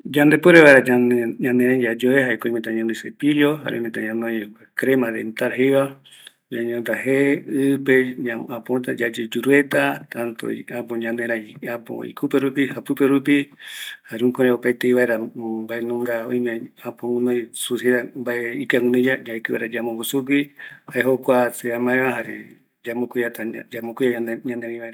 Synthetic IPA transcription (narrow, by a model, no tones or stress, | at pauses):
d͡ʒand̪epoɾeβaeɾaaɲãnẽɾãĩd͡ʒad͡ʒoehaekoĩmẽt̪ãɲãnõj̃sepijoɦa̰ɾḛ̃met̪aɲãnõj | kɾemãðḛnt̪aɾɦeβa | d͡ʒaɲõnd̪aɦeɨpeɲaãpot̪ad͡ʒad͡ʒed͡ʒuɾuet̪at̪ãnt̪o̰apoɲãnd̪eɾãiapo̰ḭkʰupeɾupihapɨpeɾupihaɾeũkõɾẽopajt̪eiβaeɾabaenũŋɡaojmẽãpõŋũnõjsuseɾambaeikaŋũnõd͡ʒad͡ʒaekɨβa̰ɾad͡ʒamõŋɡusukihaeɦokʷaseamãẽβaɦaɾḛ | d͡ʒamokʷiat̪ad͡ʒamõkʷiaaɲãnd̪eɾãĩβaeɾa